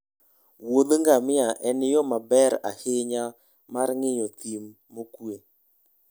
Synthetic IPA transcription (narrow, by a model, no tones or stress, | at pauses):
woðŋɡamɪaʔɛnɪjɔmabɛɾa̰heɲa | maɾŋɪɲɔt̪imːokue